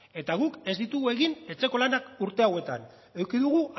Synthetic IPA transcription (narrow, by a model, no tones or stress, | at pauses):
e̞t̪aɣ̞uke̞zd̪it̪uɣue̞ɣine̞t͡se̞ko̞lanakuɾt̪e̞awe̞t̪a̰n | e̞wkiðuɣ̞u